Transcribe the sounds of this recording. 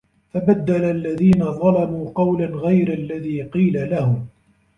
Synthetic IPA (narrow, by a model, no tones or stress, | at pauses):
fabad̪ːalalːaðiːnaðˤɑlɑmuːqɑwlanɣajɾalːaðiːqiːlalahʊm